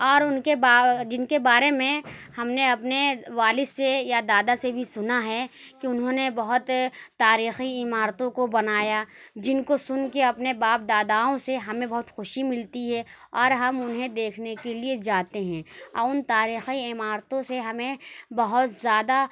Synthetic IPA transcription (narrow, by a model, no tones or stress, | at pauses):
ɔːɾʊnkebaːd͡ʒɪnkebaːɾemẽhɐmneɐpneʋaːlɪsːejad̪aːd̪asebʱisʊnaɦɛkiʊnɦõnebɐɦʊt̪ːaːɾiːxiɪmaːɾt̪õkobɐnaːjad͡ʒɪnkosʊnkeɐpnebaːp̚d̪aːd̪aːõseɦɐmẽbɐɦʊt̪xʊʃimɪlt̪iɦɛ | ɔːɾɦɐmʊnɦẽd̪eːkʰnekelied͡ʒaːt̪eɦɛ̃ːɔːʊnt̪aːɾiːxiɪmaːɾt̪õseɦɐmẽbɐɦʊt̪zjaːd̪a